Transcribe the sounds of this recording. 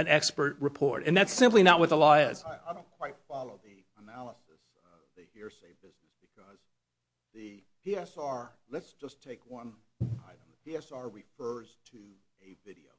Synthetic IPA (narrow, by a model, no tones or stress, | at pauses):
ɨ̃nɛkspə˞t̚ɹɨpʰɔɹɾɨ̃nðætsɪ̃mplinət̚wəðəlɔɪɪz̥aɪɾõʊ̃nkʰw̥aɪtfɑlˠoʊði | ənælˠəsɨs | ðɨhiɹseɪbɪznɨsb̥ɨkʰʌz | ðɨpʰiɛsɑɹlɨtsd̥ʒ̥ʌstʰeɪkwʌ̃na̰ɪɾ̃m̩ðəpʰiɛsɑɹɹɨfɜ˞z̥tʰɨ | ɨvɪɾioʊ